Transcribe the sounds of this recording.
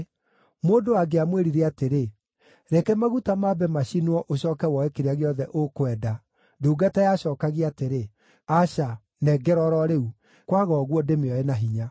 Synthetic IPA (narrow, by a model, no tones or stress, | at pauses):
moːdoaɡeamweɾiɾɛateɾe | ɾɛkɛmaɣutamabɛmaɕinwɔʔoɕɔːkɛwɔɛkeɾeaɣeɔðɛʔokwɛda | duːɡatajaɕɔːkaɣiateɾe | aɕa | nɛɡɛɾɔɾɔɾeu | kwaɣɔɣwɔdemeɔenaɦiɲa